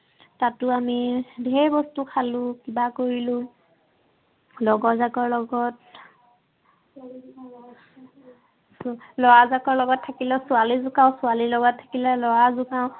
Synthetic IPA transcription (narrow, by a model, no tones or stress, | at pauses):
tatʊamidʱɛbɔstukʰalʊkibakoɹilʊ̃ | lɔɡɔzakɔɹlɔɡɔt | slɔwazakɔɹlɔɡɔtʰːakilɛsʊalizʊkaʊ̃sʊalilɔɡɔtʰːḁkilɛlɔɹazʊkaʊ̃